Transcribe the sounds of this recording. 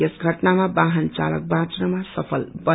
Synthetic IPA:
esɡʱʌʈnamabaɦənt͡sa̰lʌ̰k̚bãt͡sɾʌmasʌpʰʌlbʌ

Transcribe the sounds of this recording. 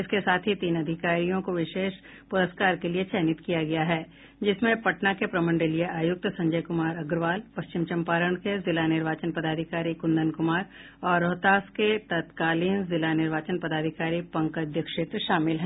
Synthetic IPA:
ɪskesaːt̪ʰɦit̪iːnɐd̪ʱɪkaːɾijõkoʋɪʃeːʃ | pʊɾəskaːɾkeliet͡ʃʰɛːnɪt̪kijaɡɐjaɦɛː | d͡ʒɪsmẽpɐʈnakepɾɐmə̃ɳɖelieʔaːjʊk̚t̪sɐ̃ɲd͡ʒəjkʊmaːɾɐɡɾʋaːlpɐst͡ʃɪmt͡ʃɐmpaːɾəɳ̃kezɪlanɪɾʋaːt͡ʃənpɐd̪aːd̪ʱɪkaːɾikʊ̃nd̪ʱənkʊmaːɾ | ɔːɾːɔːt̪aːsket̪ɐt̪kaːliːnzɪlanɪɾʋaːt͡ʃənpɐd̪aːd̪ʱɪkaːɾipɐ̃ŋkɐd̪ʱjəkʃɪːt̪ɾʃaːmɪlɦɛ̃ː

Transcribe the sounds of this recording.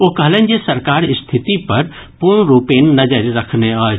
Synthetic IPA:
okɐɦlẽːnesəɾkaːɾɪst̪ʰɪt̪ipɐɾ | puɳɾuːpeːnːɐd͡ʒəɾɾɐkʰneɔːɾ

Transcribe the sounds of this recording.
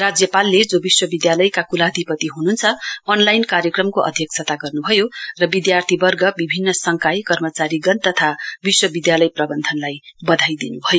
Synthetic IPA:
rad͡zjʌpalːed͡zobiswʌbid̪jalʌjkakulad̪ʱipʌt̪iɦununt͡sʰʌʌnlajnkaɾjʌkrʌmkoʔʌ̰d̪ʱjʌk̚t͡sʰʌt̪aɡʌrnubʱʌjorʌbid̪jart̪ʰibʌrɡʌbibʱinːʌsʌŋkajkʌrmʌt͡saɾiɡʌnt̪ʌt̪ʰabiswʌbid̪jalʌjprʌbʌnd̪ʱʌnlajbʌd̪ʱajd̪inubʱʌjo

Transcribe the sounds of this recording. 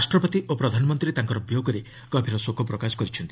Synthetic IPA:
asʈɾɔpɔt̪iʔopɾɔd̪ʱanɔmɔnt̪ɾit̪aŋkɔɾɔbjoɡɔɾi | kɔbʱiɾɔsokʰopɾɔkasɔ̥kɔɾit͡ʃʰɔnt̪i̥

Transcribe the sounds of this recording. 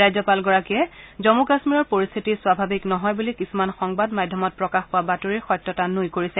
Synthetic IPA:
ajzɔpalɡɔɹakiɛzɔmukasmiɹɔɹpoɹist̪ʰitiswabʱabiknɔɦɔjbulikisumanxɔŋbadmadʱjɔmɔt̚pɹɔkaxpʊwabatoɹiɹxɔjtːɔtanːujkoɹisɛ

